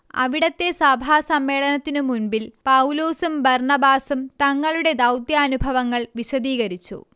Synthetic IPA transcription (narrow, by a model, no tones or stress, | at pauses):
ɐ̰ʋiɽɐt̪ːe̞sɐbʱaːsɐmːe̞ːɭɐnɐt̪ːinɨmunbilpɐwloːsumbɐrɳɐbaːsumt̪ɐŋːɐɭuɽe̞d̪ɐwt̪jɐːnubʱɐʋɐŋːɐɭʋiɕɐd̪iːɣɐɾit͡ɕːṵ